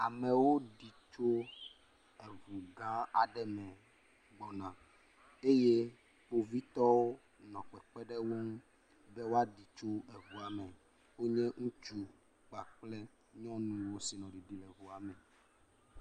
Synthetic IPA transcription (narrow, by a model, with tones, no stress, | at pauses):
a̰˨mɛ̃˨wo˦ɖi˨t͡ʃo˦ | ɛ˨vu˨ɡã˦a̰˨ɖɛ˦mɛ̃˨ | ɡ͡bɔ˨nã˨ | e˦je˦ | wo˨vi˦t̪ɔ˦wo˦ | nɔ̃˨k͡pɛ˨k͡pɛ˦ɖɛ˦wo˦ŋ˦ | bɛ˦wo˦a˦ɖi˨t͡ʃo˦ɛ˨vu˨a˨mɛ˨ | wo˦ɲɛ̃˦ŋũ˦t͡ʃu˦ | k͡pa˨k͡plɛ˦ | ɲɔ̃˦nũ˨wo˦si˨nɔ̃˨ɖi˨ɖi˨lɛ˨vu˨a˨mɛ˨